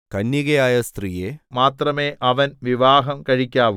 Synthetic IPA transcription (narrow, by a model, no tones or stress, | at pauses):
kɐnːiɣɐjaːjɐst̪riːjemaːt̪rɐme̞ːʔʔɐʋɐnʋiʋaːɦɐmkɐɻikʲːaːʋu